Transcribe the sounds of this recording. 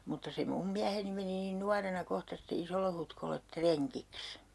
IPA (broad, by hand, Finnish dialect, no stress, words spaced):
mutːɑ se mum miæheni meni niːn nuɑrenɑ kohtɑ sitːe isolːehutkolːet treŋkiks